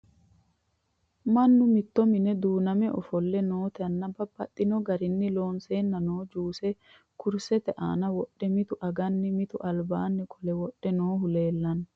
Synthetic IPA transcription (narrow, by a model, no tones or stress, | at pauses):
mɐnːʊmɪt̪ːɔmɪnɛd̪uːnɐmɛʔɔ̰fɔlːɛnoːt̪ɛɐnːɐbɐbːɐt̪ʼːɪnɔɡɐɾɪnːɪlo̞ːnseːnːɐnoːd͡ʒuːsɛ | kʊɾsɛt̪ɛʔa̰ːnɐwɔɗːɛmɪt̪ʊʔɐɡɐnːɪmɪt̪ʊʔɐlbaːnːɪkʰʼɔlɛwɔɗːɛnoːɦʊle̞ːlːɐn